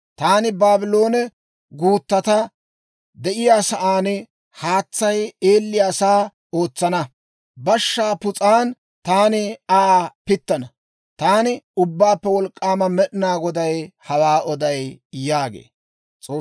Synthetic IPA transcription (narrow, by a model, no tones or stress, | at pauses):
t̪aːnɪbaːbɪlo̞ːnɛ | ɡuːt̪ːɐt̪ɐ | d̪ɛʔɪjaːsɐʔaːnɪ | haːt͡sːɐjeːlːɪjaːsaː | o̞ːt͡sːɐnɐ | bɐʃːaːpʊt͡sʼaːn | t̪aːnɪapɪt̪ːɐnɐ | t̪aːnɪʊbːaːpːɛwɔlkʼːaːmɐmɛɗɪnaːɡɔd̪ɐjhɐwaːɔd̪ɐjjaːɡḛː | t͡sʼoː